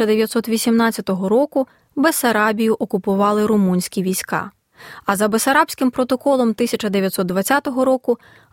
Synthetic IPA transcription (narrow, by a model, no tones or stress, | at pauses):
ɐd̪eʋjɐt̪sɔt̪ʋʲisʲimnɑtt͡sʲːɐt̪ɔɦɔɾɔkʊ | besɐɾɑbʲijʊʔɔkʊpʊʋɑlˠɪɾʊmunʲsʲkʲiʋʲisʲkɑ̰ | ɐzɐbesɐɾɑpʲsʲkɪmpɾɔt̪ɔkɔlˠɔmt̪ɪsʲɐt͡ʃɐd̪eʋʲjɐt̪sɔt̪d̪ʋɐt͡sʲːat̪ɔɦɔɾɔkʊ